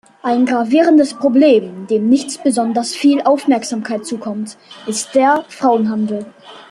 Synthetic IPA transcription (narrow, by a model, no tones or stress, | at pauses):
ʔaɪnɡʁaviːʁəndəspʁ̥obleːmd̥eːmnɪçt͡sb̥əzɔndɐsfiːlʔaʊfmɛɐkz̥aːmkʰaɪt̚t͡suːkʰɔmtʔɪst̚d̥eːɐfʁ̥aʊənɦandl̩